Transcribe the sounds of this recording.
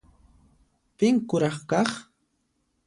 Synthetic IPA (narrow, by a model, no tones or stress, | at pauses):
pɪŋkʊɾɑχkɑχ